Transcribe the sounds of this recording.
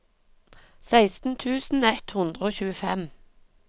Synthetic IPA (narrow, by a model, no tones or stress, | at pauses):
sæɪst̪n̩t̪ʰʉːsn̩ɛt̪hʊnd̪ʁəoːçʉːəfɛm